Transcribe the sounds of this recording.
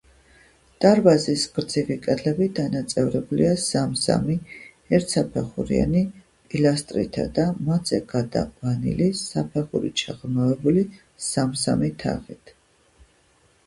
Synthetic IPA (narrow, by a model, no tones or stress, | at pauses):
d̪̥aɾbazisɡɾd̪zivikʼɛd̪lɛbid̪anat̪sʼɛvɾɛbuliasamsa̰mi | ɛɾt̪ʰsapʰɛχuɾḭa̰ni | pʼilast̪ʼɾḭt̪ʰa̰d̪amad̪zɛɡad̪a̰vanḭlisapʰɛχṵɾḭt͡ʃʰaʁnɔɛbuli | samsa̰mit̪ʰa̰ʁit̪ʰ